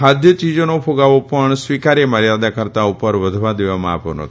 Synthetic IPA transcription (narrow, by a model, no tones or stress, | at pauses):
ɦad̪ʱjət͡ʃid͡ʒonopʰoɡaʋopəɳsʋikaɾeməɾjad̪akəɾt̪aupəɾʋəd̪ʱʋãd̪eʋamã̰a̰po̰no̰t̪ʰ